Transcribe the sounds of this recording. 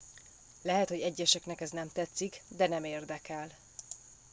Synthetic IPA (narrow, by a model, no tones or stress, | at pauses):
lɛɦɛt̪hoɟɛɟːɛʃɛknɛkɛznɛmt̪ɛt̪sːikd̪ɛnɛmeːrd̪ɛkɛl